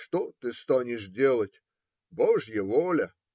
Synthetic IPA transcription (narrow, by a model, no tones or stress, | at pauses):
ʂt̪ot̪ɨst̪anʲɪʂdʲelˠətʲ | boʐjəvolʲə